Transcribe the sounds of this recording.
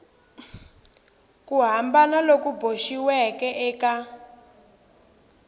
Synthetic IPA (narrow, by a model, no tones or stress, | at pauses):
kuɦambanalokuboʃiwɛkɛʔɛːka